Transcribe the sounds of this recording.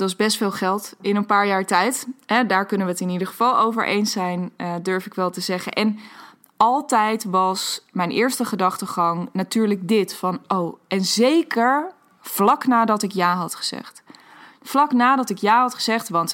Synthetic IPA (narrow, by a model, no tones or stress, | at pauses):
dəɑzbɛstfɪːlˠχɛlˠtɪnənpaːɹjaːɹtɛjtɦɛdaːɹkɵnəʋəətɪnidəχəvɑlˠowvə̰ɹʔḛjnsɛjnədøɹfɪkʋɛlˠtəzɛχə̰nʔɛn | ɑlˠtɛjtʋɑsmɛjnʔɪːɹstəχədɑχtəχɑŋnatyːɹləɡ̚dɪtfɑnʔowɛnzejkəɹ | v̥lɑknaːdɑtɪkjaːɦɑtχə̥z̥ɛ̰χt | flɑknaːdɑtɪkjaːɦɑtχəz̥ɛχtʋɑnt